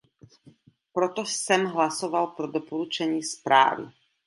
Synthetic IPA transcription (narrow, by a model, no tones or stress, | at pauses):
pɾɔt̪ɔsɛmɦlasɔʋalpɾɔd̪ɔpɔɾut͡ʃɛɲiːspɾa̰ːʋḭ